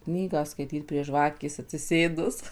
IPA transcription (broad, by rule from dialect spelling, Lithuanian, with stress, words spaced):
ˈknʲiːɡɑː skɐɪˈtʲiːt pʲrʲiɛ ˈʒʋɑːkʲeːs ɐtʲsʲɪˈsʲeːdʊs